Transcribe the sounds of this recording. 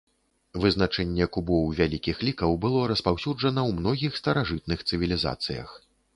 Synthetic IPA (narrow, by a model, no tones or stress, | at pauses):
vɨznat͡ʂɛnʲːɛkubɔwvʲalʲikʲixlʲikɐwbɨlˠɔɾɐspawsʲud͡ʐɐnɐwmnɔɣʲixst̪ɐɾaʐɨt̪̚nɨxt̪sɨvʲilʲiza̰t̪sɨ̰jɐ̰x